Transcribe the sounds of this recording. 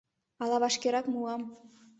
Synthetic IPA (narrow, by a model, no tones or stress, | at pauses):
ɑlˠɑβɑʃkʲeɾɑkmuɑm